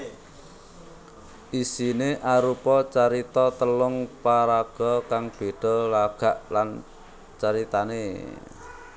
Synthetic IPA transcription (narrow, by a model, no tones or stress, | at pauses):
ʔisineʔaɾupɔt͡ʃaɾit̪ɔt̪əlʊŋpaɾaɡ̥ɔkaŋb̥e̤ɖ̥ɔ̤laɡ̥a̤ʔlan | t͡ʃaɾit̪anḛ